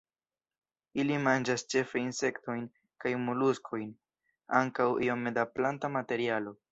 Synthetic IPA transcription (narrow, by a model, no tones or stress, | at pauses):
ilimand͡ʒast͡ʃe̞fajnse̞kto̞jn | kajmuluskʰo̞jn | aŋkawḭomːe̞daplantamate̞ɾialo̞